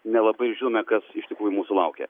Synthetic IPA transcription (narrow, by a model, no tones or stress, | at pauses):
nʲɛlˠɐbɐɪʒʲɪnoːmʲɛkɐsɪʃt̪ʲɪkɾuːjʊmuːsʊlˠɐʊkʲḛ